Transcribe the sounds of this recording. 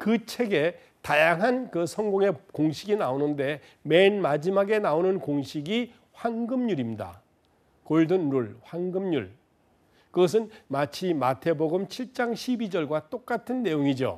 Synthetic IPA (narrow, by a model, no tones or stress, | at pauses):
kɯt͡ɕʰe̞ɡe̞ | tajaŋɦankɯsʰʌŋɡoŋe̞koŋɕʰiɡinaonɯnde̞ | me̞nmad͡ʑimaɡe̞naonɯnkoŋɕʰiɡi | ɸwanɡɯmɲuɾimda̰ | koɭdɯnːuɭɸwanɡɯmɲuɭ | kɯɡʌs̬ʰɯnmat͡ɕʰimatʰe̞boɡɯmt͡ɕʰiɭt͡ɕ͈aŋɕʰibid͡ʑʌɭɡwat͈ok͈atʰɯnːe̞joŋid͡ʑo̰